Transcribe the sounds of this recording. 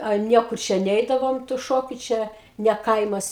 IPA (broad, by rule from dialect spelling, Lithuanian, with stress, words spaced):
ɐ ˈnʲiɛkʊr ˈt͡ʃʲɛ ˈnʲɛɪdɐʋoːm tʊ ˈʃoːkʲʊ ˈt͡ʃʲɛ nʲɛ ˈkɐɪmɐs